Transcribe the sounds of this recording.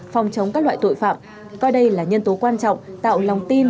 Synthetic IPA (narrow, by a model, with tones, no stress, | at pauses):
fɔ˨˩wŋ͡mt͡ɕə˨˦ŋ͡mkaː˦˥k̚lwa̰ː˧˨jt̪o̰˧˨jfa̰ː˧˨m | kɔ˧jɗə˧jlaː˨˩ɲə˧nt̪o˨˦kwaː˧nt͡ɕɔ̰˧˨wŋ͡mt̪a̰ː˧˨wla˨˩wŋ͡mt̪i˧n